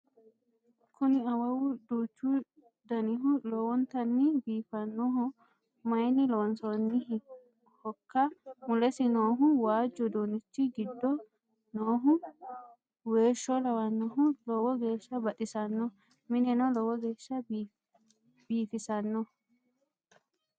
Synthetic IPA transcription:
kʰʊnɪɐwɐwʊd̪uːt͡ʃːu | d̪ɐnɪɦʊloːwɔnt̪ɐnːɪbiːfɐnːɔhɔ | mɐjnɪlɔwnsɔnːɪh | hɔkːɐmʊlɛsɪnoːɦʊwaːd͡ʒːɔd̪oːnɪt͡ʃːɪɡɪd̪ːɔ | noːɦʊ | weːʃːɔlɐwɐnːɔɦʊlɔːwɔɡe̞ːʃːɐbɐtʼɪsɐnːɔ | mɪnɛnɔlɔwɔɡe̞ːʃːɐ | biːfɪsɐnːɔ

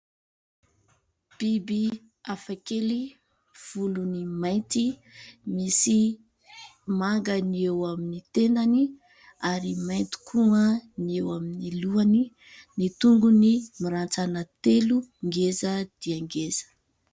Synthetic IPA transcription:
b̥ibi | afakeli | v̥ulunimajnt̪imisi | maŋɡəniewaminit̪enani | aɾimajnt̪i̥kʰuəniewaminiluani | nit̪uŋɡunimiɾant͡sanət̪eluŋɡezəd̪̥iaŋɡez̥ə̥

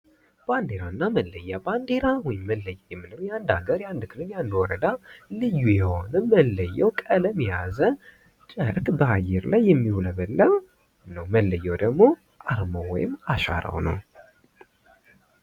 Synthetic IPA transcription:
b̥and̪eɾaɨnːaməlːəjːaband̪eɾawɔjɪmːəlːəjːjɛmːɨnəwjand̪aɡəɾjand̪ɨkʰɨlɨnjand̪wɔɾəd̪alɨjːujɛho̞nəməlːəjːɛwkʼələmijazə | t̪ʼəɾkbəajːɛɾlajːɛmːihuləbəlːəw | nəwməlːəjːɛwd̪əɡmo̞ | ʔaɾmowwɔ̰jɪmːaʃa̰ɾə̰wnə̰w

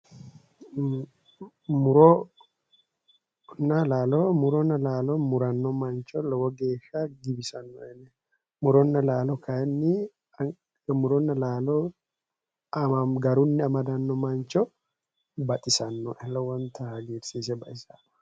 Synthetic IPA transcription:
mʊɾɔ | nːɐlaːlɔmʊɾɔnːɐlaːlɔmʊɾɐnːɔmɐnt͡ʃɔlɔwɔɡe̞ːʃaɡɪbɪsɐnːɔɛnɛ | mʊɾɔnːɐlaːlɔkʰɐɛnːɪ | mʊɾɔnːɐlaːlɔ | ɡɐɾʊnːɪɐmɐd̪ɐnːɔmɐnt͡ʃɔ | bɐt̪ʼɪsɐnːɔʔɛlːɔwɔnt̪ɐhɐɡiːɾsiːs̬ɛbɐʔɪsɐ

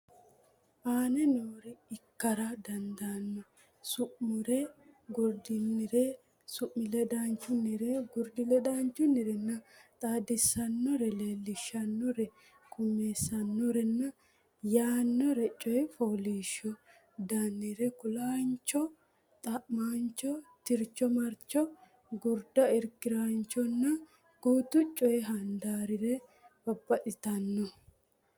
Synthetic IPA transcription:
ʔaːnɛnoːɾɛɪkːɐɾɐd̪ɐnd̪aːnːɔ | sʊʔmʊɾɛɡʊɾd̪ɪnːɪɾɛ | sʊʔmɪlɛd̪aːnt͡ʃːʊnːɪɾɛɡʊɾd̪ɪlɛd̪aːnt͡ʃːʊnːɪɾɛnːɐt̪ʼaːd̪ɪsːɐnːɔɾɛleːlːɪʃːɐnːɔɾɛ | kʰʊmeːsːɐnːɔɾɛnːɐ | jaːnːɔɾɛt͡ʃʼɔjfoːliːʃɔ | d̪anːɪɾɛkʊlaːnt͡ʃːɔ | t̪ʼɐmaːnt͡ʃːɔt̪ɪɾt͡ʃːɔmɐɾt͡ʃːɔ | ɡʊɾd̪ɐɪɾkɪɾant͡ʃːɔnːɐ | ɡ̥uːt̪ʊt͡ʃʼːɔjɦɐnd̪aːɾɪɾɛ | b̥ɐbːɐʔɪt̪ɐnːɔ

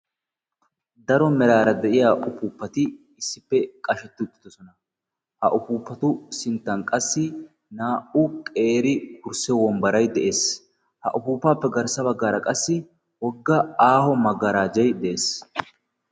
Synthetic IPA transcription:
d̪ɐɾɔmɛɾaːɾɐd̪ɛʔɪjaːʔʊpuːpːɐt̪ɪː | sːɪpːɛkʼɐʃɛt̪ːɪʊt̪ːɪ̥d̪ɔsɔnɐ | hɐʔʊpuːpːɐt̪ʊsɪnt̪ːɐnkʼɐsːɪ | naːʔʊkʼe̞ːɾɪkʊɾsɛwɔmbɐɾɐjd̪ɛʔe̞ːs | hɐ̰ʔʊpuːpːaːpːɛɡɐɾsɐbɐɡːaːɾɐkʼɐsːɪ | wɔɡːɐaːhɔmɐɡɐɾaːd͡ʒɛjd̪ɛʔeːs

